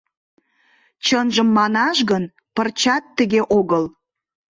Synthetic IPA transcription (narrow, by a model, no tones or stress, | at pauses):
t͡ɕənʒəmːɑnɑʃɣən | pərt͡ɕɑt̪ːəɣeʔoɣəl